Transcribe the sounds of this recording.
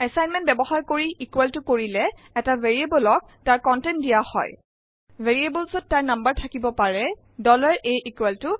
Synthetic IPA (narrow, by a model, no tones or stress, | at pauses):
ɛsajnmɛ̃nt̚bɛbɔxaɹkoɹiʔikwɛltʊkoɹilɛː | taveɹiebɔlɔk̚taɹkɔntɛndijahɔ̰j | veɹiebɔlsɔtːaɹnambəɹtʰakibɔpaɹɛ | dɔlaɹejʔikwɛltʊ